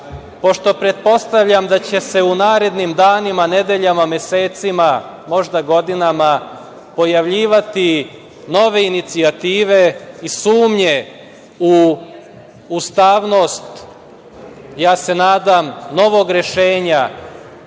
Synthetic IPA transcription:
po̞ʃt̪o̞pɾe̞t̪̚po̞st̪aʋʎamd̪at͡ɕe̞se̞unaːɾe̞d̪nimd̪aːnimane̞d̪e̞ʎamame̞seːt̪sima | mo̞ʒd̪aɡo̞d̪inama | po̞jaʋʎiːʋat̪i | no̞ʋe̞init̪siat̪iːʋe̞isuːmɲe̞ | u | ust̪aːʋno̞ːst̪ | jaːse̞naːd̪amno̞ʋo̞ɡɾe̞ʃe̞ːɲa

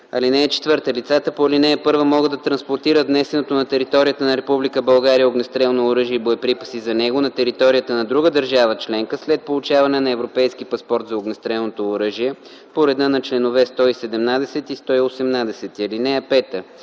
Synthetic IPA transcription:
ɐlinɛːt͡ʃɛ̥t̪vɤɾt̪əlit̪sat̪əpolinɛɛpɤɾvəmɔɡəd̪ːɐt̪ɾɐnspoɾt̪iɾəvnɛsɛnot̪onɐt̪ɛɾit̪ɔɾijət̪ənɐɾɛpublikəbɐlˠɡaɾijəoɡnɛst̪ɾɛlˠnoːɾɤʒiɛiboɛpɾipə̥sizɐnɛɡonɐt̪ɛɾit̪ɔɾijət̪ənɐd̪ɾuɡəd̪əɾʒavət͡ʃlɛŋkəslɛt̪̚polˠut͡ʃavɐnɛnɐɛvɾopɛjsk̟ipɐspɔɾt̪zɐoɡnɛst̪ɾɛlˠnot̪oːɾɤʒiɛ | poɾɛd̪ɤnɐt͡ʃlɛnovɛst̪ɔisɛd̪ɛmnad̪ɛsɛt̪ist̪ɔiosɛmnad̪ɛsɛt̪iɐlinɛɛpɛt̪ə

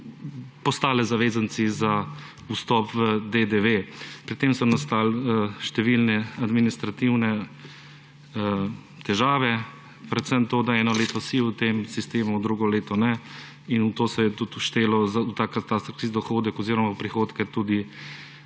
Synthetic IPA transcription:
pɔst̪aːlɛzaʋeːzansiza | ust̪ɔpʋəd̪ed̪eʋepɾit̪ːemsɔnast̪aːlʃt̪ɛʋilnɛad̪minist̪ɾat̪iwnɛ | t̪ɛʒaːʋɛ | ɾɛt̪səmt̪oːd̪aɛːnɔleːt̪ɔsiut̪emsist̪eːmud̪ɾuɡɔleːt̪ɔnɛ | inut̪oːsɛjɛt̪ut̪uʃt̪eːlɔzaut̪akat̪ast̪ɾɔk̪izd̪ɔxoːd̪ɛkɔziːɾɔmawpɾixoːt̪kɛt̪ud̪i

